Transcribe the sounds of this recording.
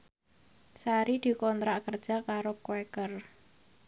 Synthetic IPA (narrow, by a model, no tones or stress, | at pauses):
saɾid̪̥i̤kɔnt̪ɾaʔkərd̥ʒ̥a̤kaɾokwɛkər